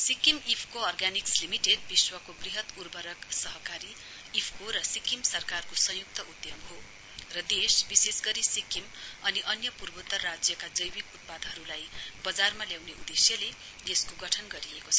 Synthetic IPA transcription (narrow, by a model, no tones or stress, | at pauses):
sikimipʰkoʌrɡanikslimiʈeɖ̚biswʌkobriɦʌt̪urbʌɾʌksʌɦʌkaɾi | ipʰkoɾʌsikimsʌrkarkosʌ̃juk̚t̪ʌʔud̪jʌmɦo | rʌd̪esbisesɡʌɾisikimʌniʔʌnjʌpurbot̪ʌrːad͡zjʌkad͡zʌjbikut̪̚pad̪ɦʌɾulajbʌd͡zarmaljawneʔṵd̪esjʌle | d̪eskoɡʌʈʰʌnɡʌɾiekot͡sʰʌ